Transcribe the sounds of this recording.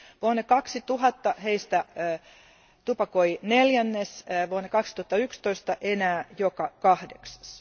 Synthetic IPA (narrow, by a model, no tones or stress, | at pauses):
ʋuonːekɑksit̪uɦɑt̪ːɑheist̪æː | t̪upɑkoineljænːesʋuonekɑksi̥t̪uhɑt̪ːɑykst̪oist̪ɑʔenæːjokɑkɑhdeksɑ̥s